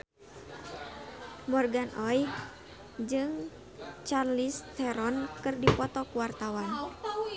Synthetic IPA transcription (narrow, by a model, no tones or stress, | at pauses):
mɔrɡanʔɔj | d͡ʒɨŋ | t͡ʃarlist̪ʰɛɾɔnkɨrdipɔt̪ɔkuwart̪awan